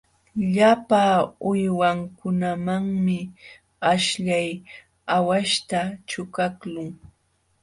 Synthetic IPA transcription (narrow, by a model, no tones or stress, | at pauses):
ʎapaʊjwaŋkʊnamaŋmɪ | aʃʎaj | awaʃt̪at͡ʃʊkaklʊŋ